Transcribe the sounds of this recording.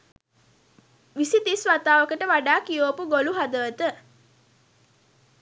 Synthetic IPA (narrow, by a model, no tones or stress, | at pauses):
ʋisit̪isʋat̪aːʋəkəʈəʋaɖaːkijoːpuɡoluɦad̪əʋət̪ə